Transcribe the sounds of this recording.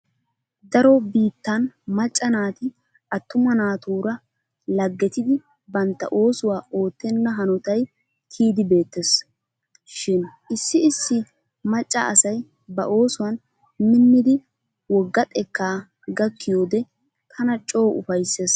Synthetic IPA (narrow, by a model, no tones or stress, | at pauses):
d̪ɐɾɔbiːt̪ːɐnmɐt͡ʃʼːɐnaːt̪ɪ | ʔɐt̪ːʊmɐnaːt̪uːɾɐ | lɐɡːɛt̪ɪd̪ɪ | bɐnt̪ːɐ̰ʔo̞ːsʊwaːo̞ːt̪ːɛnːɐɦɐnɔt̪ɐj | k̪ʰiːd̪ɪbe̞ːt̪ːes | ʃɪnʔɪsːɪɪsːɪ | mɐt͡ʃʼːɐ̰ɐsɐj | bɐ̰ʔo̞ːsʊwɐn | mɪnːɪd̪ɪ | wɔɡːɐt̪ʼɛkːaː | ɡɐkːɪjo̞ːd̪ɛ | t̪ʰɐnɐt͡ʃʼo̞ːʊfɐjsːeːs